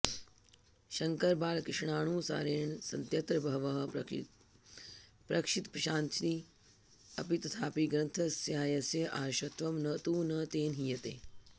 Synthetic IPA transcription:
ʃɐŋkɐɾbaːlkɾɪʂɳaːɳ̃uːsa̰ːɾeːɳsɐnt̪jɐt̪ɾɐbʱɐɦʋɐɦɐ | pɾɐkʂit̪pɾɐʃaːnt͡ʃni | ɐ̰pit̪ɐt̪ʰaːpiɡɾɐnt̪ʰɐsjaːjɐsjɐʔaːʃɐt̪ʋɐmnɐt̪uːnɐt̪eːnɦijɐt̪ḛː

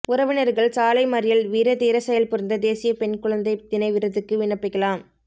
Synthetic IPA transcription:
ʊɾɐʋɪnɐɾɣɐɭsaːlɐɪmɐɾɪjɐlʋiːɾɐt̪iːɾɐsɛjɐlpʊɾɐnd̪ɐd̪eːsɪjɐpɛnkʊɭɐnd̪ɐɪt̪ɪnɐɪʋɪɾɐðɯkːɯʋɪɳɐpːɪkːɐɭaːm

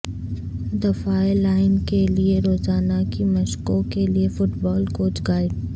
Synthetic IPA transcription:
d̪ɐfaːelaːɪnkelieɾoːzaːnakimɐʃkõkeliefʊʈbɔːlkoːt͡ʃɡaːɪɖ

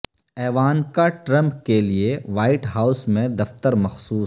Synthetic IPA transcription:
ɛːʋaːnkaʈɾɐ̃mpkelieʋaːɪʈɦaːʊsmẽd̪ɐft̪əɾmɐxsuː

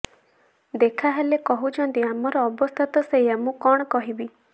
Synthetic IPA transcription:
d̪ekʰaɦelekɔɦut͡ʃʰɔnt̪iamɔɾɔːbɔst̪ʰɔt̪ɔsejamũkɔɽ̃ɔkɔɦibi

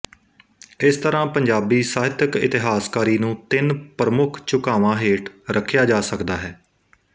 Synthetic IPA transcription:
ɪst̪əɾãːpəɲd͡ʒaːbiːsaːɦɪt̪əkɪ̰t̪ɪɦaːskaːɾiːnũːt̪ɪnpɾəmʊkʰt͡ʃʊkaːʋãːɦeːʈɾʔəkʰjaːd͡ʒaːsəkd̪aːɦɛː

